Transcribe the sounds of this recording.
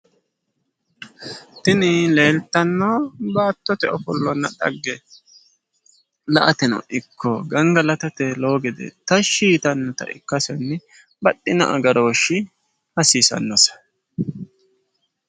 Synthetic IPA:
t̪ɪnɪle̞ːlt̪ːɐnːobaːt̪ːɔt̪ɛɔfɔlːɔnːɐɗɐ̰ɡːɛ | lɐʔɐt̪ɛnɔ̰ʔɪkʰːɔɡɐŋɡɐlɐt̪ɐt̪ɛlo̞ːɡɪd̪ɛ̰t̪ɐʃiːt̪ɐnːɔt̪ɐ̰ʔɪ̰kːɐsɔnːɪ | bɐɗːɪnɐ̰ʔɐ̰ɡɐɾo̞ːʃɪ | hɐsiːsɐ̰nːɔsɐ̥

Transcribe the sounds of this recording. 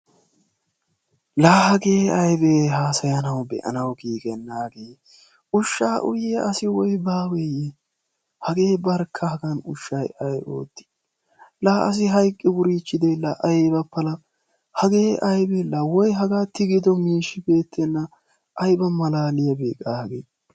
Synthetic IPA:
laːhɐɡeːɐjbeːɦaːsɐjɐnɐwbɛ̰ʔɐ̰nɐwɡiːɡɛnːaːɡeː | ʊʃːaːʔʊjeʔɐsɪwɔjbaːwɛje | hɐɡe̞ːbɐɾkʰːɐhɐɡɐnʊʃːɐjɐjo̰ːt̪ːɪ̥ | laːʔɐ̰s̬ɪɦɐjkʼːɪwʊɾiːt͡ʃːɪd̪ɛlɐʔɐjbɐpːɐlɐ | hɐɡe̞ːʔɐjbɛlɐwɔjɦɐɡaːt̪ːɪɡɪd̪ɔmiːʃːɪbe̞ːt̪ʰːɛnːɐ | ʔɐjbɐmɐlaːlɪjɐbeːkʼːaːhɐɡeː

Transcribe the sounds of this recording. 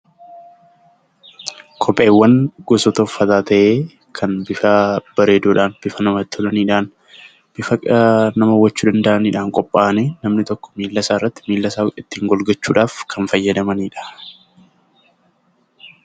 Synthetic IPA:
kʰɔpʼe̞ːwːɐnɡ̥ɔsɔt̪ɐʊfːɐt̪aːt̪ɐʔeː | kʰɐnbɪfaːb̥ɐɾeːd̪uːᶑaːnb̥ɪfɐnɐmɐt̪ːɔᶑɐniːᶑaːn | b̥ɪfɐnɐmɐwːɐt͡ʃːuːd̪ɐnd̪ɐʔɐniːᶑaːŋkʼɔpʼːaːneːnɐmnɪt̪ɔkːɔ̥miːlːɐsaːɪrːɐt̪ːɪ̥miːlːɐsaːwɪt̪ːiːŋɡɔlɡɐt͡ʃːuːᶑaːfkʰɐnfɐjːɐd̪ɐmɐniːᶑɐ̥

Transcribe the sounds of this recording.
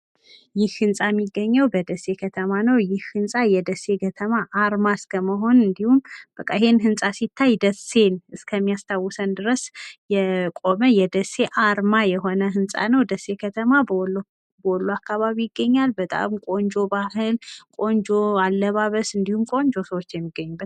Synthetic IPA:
jɪhhɨnsʼamːiɡːəɲːəwbəd̪əsːe̞kʰət̪ʰəmanəwjɪhhɨnsʼajɛd̪əsːe̞ɡət̪ʰəmaʔaɾmaɨskʰəməɦo̞nɨnd̪ihumb̥əkʼːa̰ɪhe̞nɦɨnsʼasit̪ʰːajd̪əse̞nɨskʰəmːijast̪ʰawːɨsənd̪ɨɾəsjɛkʼo̞məjɛd̪əse̞ʔaɾmajɛɦo̞nəɦɨnsʼa̰nəwd̪əsːe̞kʰət̪ʰəma | bəwɔlːuakːaβaβijɪɡːəɲːalbət̪ʼa̰mkʼond͡ʒo̞bahɨlkʼo̞nd͡ʒo̞alːəβaβəsɨnd̪ihumkʼo̞nd͡ʒo̞səwot͡ʃːjɛmːiɡ̥ːəɲːub̪ː

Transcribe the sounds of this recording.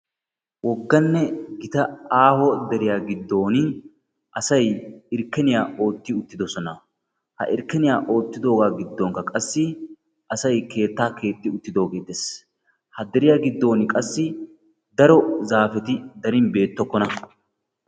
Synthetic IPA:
wɔɡːɐnːɛɡɪt̪ɐaːhɔd̪ɛɾɪjaːɡɪd̪ːo̞ːnɪ | ʔɐsɐjɪɾkːɛnɪjaːʔo̞ːt̪ːɪʊt̪ːɪd̪ɔsɔnɐ | hɐ̰ʔɪ̰ɾkːɛnɪjaːʔo̞ːt̪ːɪd̪o̞ːɡaːɡɪd̪ːɔŋkɐkʼɐsːɪ | ʔɐsɐjke̞ːt̪ːaːke̞ːt̪ːɪʊt̪ːɪd̪o̞ːɡeːd̪es | hɐd̪ɛɾɪjaːɡɪd̪ːo̞ːnɪkʼɐsːɪ | d̪ɐɾɔzaːfɛt̪ɪd̪ɐɾɪnbe̞ːt̪ːɔkːɔnɐ

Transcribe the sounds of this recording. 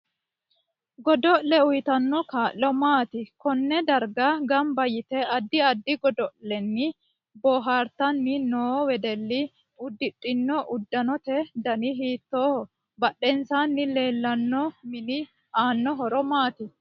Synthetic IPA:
ɡɔd̪ɔʔlɛʊjt̪ɐnːɔkaːʔːɔmaːt̪ɪkɔnːɛd̪ɐɾɡɐɡɐmbɐjɪt̪ɛɐd̪ːɪɐd̪ːɪɡɔd̪ɔʔɛnːɪ | bɔːɦaːɾt̪ɐnːɪnoːwɛd̪ɛlːɪ | ʊd̪ːɪtʼːɪnːɔʔʊd̪ːɐnɔt̪ɛd̪ɐnɪɦiːt̪ːoːhɔ | bɐɗɛnsaːnːɪle̞ːlːɐnːɔmɪnɪ | aːnːɔɦɔɾɔmaːt̪ɪ

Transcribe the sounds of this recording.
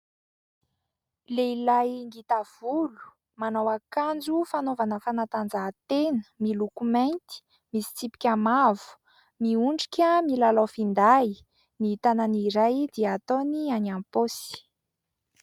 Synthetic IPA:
leilajŋɡit̪av̥ulu̥ | manawakand͡zufanovanəfanat̪and͡zat̪enə̥milukumajnt̪i̥ | misi̥t͡sipi̥kʲamavu̥ | miuɳɖ͡ʐi̥kʲəmilalawfind̪ai | niit̪ananiɾajd̪iəat̪onianamposi̥

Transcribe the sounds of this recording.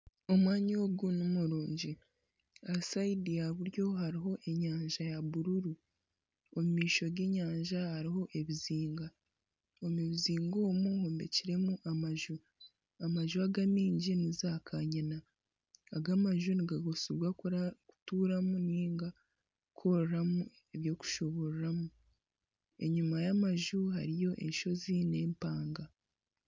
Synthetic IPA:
omwaːɲiwoɡunumuɾuːɲɟi | asaidiaβuɾjo̞ɦaɾiɦo̞ʔe̞ɲaːɲʒajaβuɾuɾu | omumiːʃo̞ɡeɲaːɲʒahaɾiɦo̞ʔe̞βiziːŋɡa | omuβiziːŋɡo̞ːmuhoːmbe̞̰ciɾe̞muʔamaʒu | amaʒuaɡamiːɲɟinizakʰaɲanaː | ɡamaʒuniɡaɡosuɾɡwakɾaku̥tuːɾamuniːŋɡa | kʰo̞ɾɾamu | eβjo̞ku̥ʃo̞βo̞ɾuɾamu | e̞̰ɲumajamaʒuɦa̰ɾijo̞ʔe̞̰nʃo̞zine̞ːmpaːŋɡa

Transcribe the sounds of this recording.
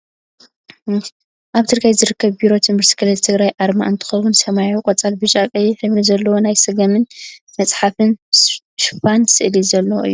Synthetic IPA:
ʔaβt̪ʰɨɾkʰajzɨɾɨkːɐβbiɾo̞t̪ʰɨmɨɾsɨ̥kʰɨlɐt̪ʰɨɡɾajʔaɾma̰ʔɨnt̪ʰɨ̥xɐwʊnsɐmajukʼot͡sʼalbɨʃʼakʼɐjħɨβɾizɐlːɐwo̞najsɨɡɐmɨn | mɐt͡sʼħafɨn | ʃɨ̥fansɨʔlizɐlːɐwʔɨ̰jːu

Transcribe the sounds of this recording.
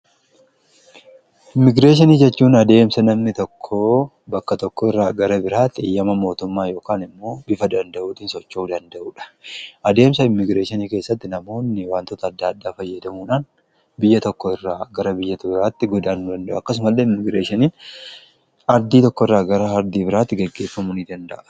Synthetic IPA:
ɪmːɪɡɾeːʃ̬ɪniːd͡ʒɛt͡ʃːuːnɐd̪e̞ːmsɐnɐmnɪt̪ɔkʰːoː | bɐkːɐt̪ɔkːɔɪrːaːɡɐɾɐbɪɾaːt̪ːeːjːɐmɐmo̞ːt̪ʊmːaːjo̞ːkaːnɪmːo̞ːbɪfɐd̪ɐnd̪ɐʔuːt̪iːnsɔt͡ʃːuːd̪ɐnd̪ɐʔuːᶑɐ̥ʔɐd̪e̞ːmsɐɪmːɪɡɾeːʃɪniːke̞ːsːɐt̪ːɪnɐmo̞ːnːɪwaːnt̪ɔt̪ɐːd̪ːɐːd̪ːaːfɐjːɐd̪ɐmuːᶑaːn | bɪjːɐt̪ɔkːɔɪrːaːɡɐɾɐbɪjːɐt̪ʊbɪɾaːt̪ːɪɡɔd̪aːnd̪ɐnd̪ɐʔʊɐkːɐs̬ʊmɐlːeːɪmːɪɡɾeːʃɪniːn | ɐɾd̪iːt̪ɔkːɔɪrːaːɡɐɾɐɐɾd̪iːbɪɾaːt̪ːɪɡɛɡːe̞ːfːɐmʊnid̪ɐnd̪ɐʔɐ̥

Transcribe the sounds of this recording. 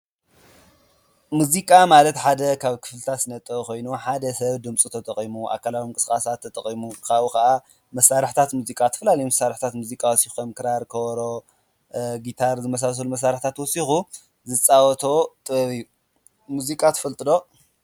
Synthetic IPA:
muzikʼamalɐt̪ħad̪ɐkʰaβkʰɨ̥flɨt̪ʰat̪snɐt̪ʼːɐko̞jnuħad̪ɐsɐβd̪ɨmt͡sʼut̪ʰɐt̪ʰʼɐχʼimuʔa̰kʰːalawimɨŋkʼɨ̥skʼasat̪ʰːɐt̪ʼɐχʼimukʰaβukɐʔa | mɐsːaɾɨħt̪ʰat̪muzikʼat̪ʰɐ̥fɐlalɐjumɐsaɾɨħt̪ʰat̪muzikʼawɔsixomkʰɨɾaɾkʰɐɾo | ɡit̪ʰaɾzɨmɐs̬as̬ɐlumɐs̬ːaɾɨħt̪ʰat̪wɔsixu | zɨt͡sʼawɔt̪ʰo̞t̪ʼɨβɐβɨjːu | muzikʼat̪ʰɨfɐlt̪ʼɨd̪o̞

